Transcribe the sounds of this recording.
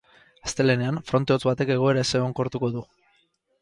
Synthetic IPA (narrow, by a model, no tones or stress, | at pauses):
ḁst̪e̞le̞neanfɾo̞nt̪e̞ot͡sβat̪e̞ke̞ɣ̞o̞e̞ɾaeseoŋko̞ɾt̪uko̞ðu